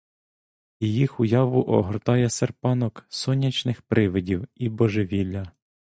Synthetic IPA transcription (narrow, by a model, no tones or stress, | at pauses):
ijixʊjɑʋʊʔɔɦɔrt̪ɑjɛserpɑnɔksɔnʲːɐt͡ʃnɪxpɾʔɪʋɪdʲiwibɔʒeʋʲilʲːɐ